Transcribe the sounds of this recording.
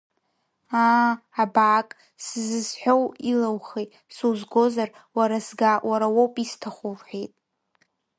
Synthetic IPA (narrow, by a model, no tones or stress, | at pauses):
aːbaːkʼ | sɨzɨzħʷᶣo̞wilawχejtʼsuwzɡo̞zar | waɾasɡawaɾawowpʼistʰaχʷurħʷᶣejtʼ